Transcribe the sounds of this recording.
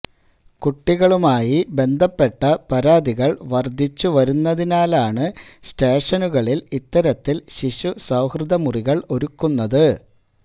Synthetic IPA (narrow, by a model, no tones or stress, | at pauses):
kuʈːiɣɐɭumaːjibe̞nd̪ʱɐpːe̞ʈːɐpɐɾaːd̪iɣɐɭʋɐrd̪ʱːit͡ɕːuʋɐɾunːɐðinaːlaːɳɨsteːʂɐnuɣɐɭilit̪ːɐɾɐt̪ːilɕiɕusɐwhrɨðɐmuriɣɐɭo̞ɾukːunːɐðɨ